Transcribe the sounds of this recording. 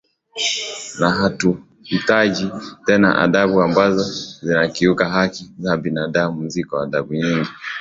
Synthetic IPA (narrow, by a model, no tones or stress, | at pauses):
naɦatu | hitaʄitɛna̰ʔa̰ðaɓuambazɔzinakiukaɦakizabinaɗamuzikɔwaðaɓuɲiŋɡi